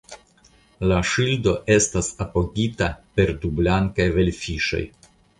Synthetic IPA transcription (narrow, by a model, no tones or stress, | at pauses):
laʃildo̞ʔe̞stasapo̞ɡitape̞ɾdublaŋkajve̞lʲfiʃo̞̰j